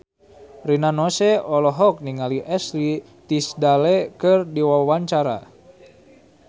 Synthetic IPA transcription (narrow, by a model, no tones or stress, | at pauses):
rinanɔsɛɔlɔɦɔk̚niŋaliʔɛsli | t̪isdalɛkɨrdiwawaɲt͡ʃaɾa̰